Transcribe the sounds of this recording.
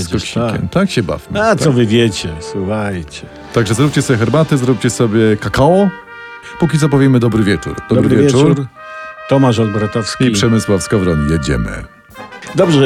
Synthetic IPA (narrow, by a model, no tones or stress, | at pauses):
skɔɕikʲɛ̰mt̪akɕɛba̰vmat̪sɔvɘvʲjɛt͡ɕɛswuxajt͡ɕɛ | t̪aɡʐɛzɾup̚ʲt͡ɕɛsɔbʲɛxɛɾbat̪ɘzɾup̚ʲt͡ɕɛsɔbʲjɛkakaɔ | pukʲit̪sɔp̬ɔvʲjɛmɘd̪ɔbɾɘvʲjɛt͡ʂṵɾd̪̥ɔbɾvvjɛvjuuɾɾt̪ɔmaʂɔlbɾat̪ɔfskʲiipʂɛmɘswafskɔvɾɔʎijɛd͡ʑɛ̰mɘ̰ | d̪ɔbʐɛ